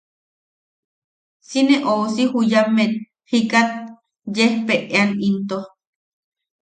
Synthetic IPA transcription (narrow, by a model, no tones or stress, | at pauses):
sineʔosihujamet̪̚ | hikat̪̚ | jehpeʔeanint̪o